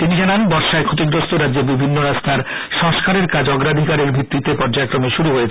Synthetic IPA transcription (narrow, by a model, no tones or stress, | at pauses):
t̪inid͡ʑananbɔɾʃaekʰot̪̬iɡɾost̪oɾadd͡ʑeɾbibʱinːoɾast̪ʰaɾ | ʃɔŋʃkaɾeɾkad͡ʑɔɡɾad̪ʱikaɾeɾbʱit̪ːit̪epɔɾd͡ʑaekɾomeʃuɾuɦojet͡ɕʰ